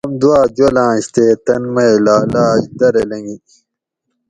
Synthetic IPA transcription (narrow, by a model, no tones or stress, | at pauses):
ɐmd̪waːd͡ʑolãːɕt̪eːt̪ɐnmɐjlaːlaːɕd̪ɐɾelɐŋɡi